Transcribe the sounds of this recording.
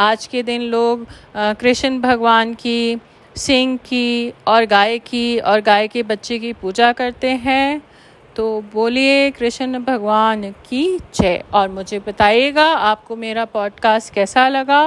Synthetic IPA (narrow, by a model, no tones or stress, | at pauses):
aːd͡ʒked̪ɪnloːɡkɾɪʃənbʱɐɡʋaːnki | sɪ̃ŋɡkiɔːɾɡaːekiɔːɾɡaːekebɐtːʃek̬ipuːd͡ʒakɐɾt̪eɦɛ̃ | t̪oːboːliekɾɪʃənbʱɐɡʋaːnkit͡ʃɛːɔːɾmʊd͡ʒʱebɐt̪aːieːɡaaːp̚komeːɾapɔːɖkaːsʈ̚kɛːsalɐɡa